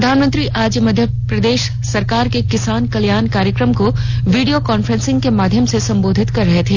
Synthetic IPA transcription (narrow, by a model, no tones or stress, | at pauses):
ɾɐd̪ʱaːnmə̃nt̪ɾiʔaːd͡ʒjəmɐd̪ʱjə | pɾɐd̪eːʃ | sɐɾkaːɾkekɪsaːnkɐljaːnkaːɾjəkɾəmko | ʋiːɖijokaːnfɾə̃nsɪ̃ŋɡkemaːd̪ʱjəmsesɐ̃mboːd̪ʱɪt̪kɐɾːɐɦet̪ʰeː